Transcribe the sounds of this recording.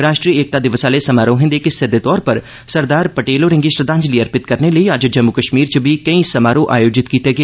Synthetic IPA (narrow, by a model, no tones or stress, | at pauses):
ɾaːʃʈɾieːk̚t̪ad̪ɪʋəsaːlesɐmaːɾõɦɪ̃nd̪ekesɪd̪et̪ɔːɾpɐɾ | sɐɾd̪aːɾpɐʈeːloːɾɪ̃ŋɡiʃɾəd̪ãːɲd͡ʒliəɾpɪt̪kɐɾneləiaːd͡ʒd͡ʒɐmːukəʃmiːɾt͡ʃəbʱikɐĩsɐmaːɾõʔa̰ːjoːd͡ʒɪt̪kiːt̪eɡ